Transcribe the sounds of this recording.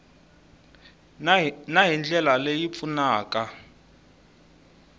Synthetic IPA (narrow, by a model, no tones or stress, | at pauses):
naɦind͡ɮʱɛlalejip̪funaːka